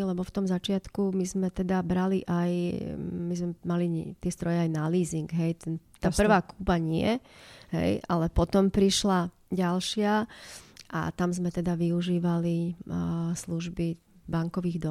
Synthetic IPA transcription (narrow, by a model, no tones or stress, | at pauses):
lɛbɔft̪ɔmzat͡ʃɪat̪kumizmɛt̪ɛd̪abɾaliʔaj | mizmɛmalit̪ɪɛst̪ɾɔjɛajnaliːziŋɡɦɛjt̪ɛnt̪aːpr̩ʋaːkuːbaɲɪɛ̰ɦɛ̰jʔa̰lɛpɔt̪ɔmpɾiʃla | ɟalʃɪa | ʔa̰t̪amzmɛt̪ɛd̪aʋiuʒiːʋali | sluʒbi | baŋkɔʋiːɣd̪ɔ